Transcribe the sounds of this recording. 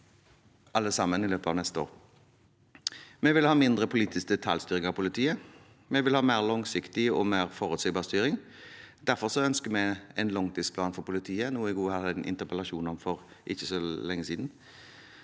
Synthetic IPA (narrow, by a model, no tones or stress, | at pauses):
ʔɑld̪əsɑmːənɪløːpəɑ̰ʋnɛst̪əo̰ːʁ | mɛʋɪlhɑːmɪnd̪ʁəpʰʊliːt̪ʰɪsk̚d̪ɛt̪ʰɑlst̪yːʁɪŋɑpʊlɪt̪ʰiːə | mɛʋɪlhɑːmeːʁlɔŋsɪkt̪ɪɔmeːʁfɔːʁʉt̪seːɡbɑːʁst̪yːɾɪŋ | d̪̥æɾfɔʁsɔœnskəmɛɛnlɔŋt̪ʰisplɑːnfɔʁpʊlɪt̪ʰiːənuːəɪɡuːhɑd̪ænʔɪ̰nt̪əʁpəlɑʃuːnɔmfɔʁ | ʔɪçːəsɔlɛŋːəsiːd̪n̩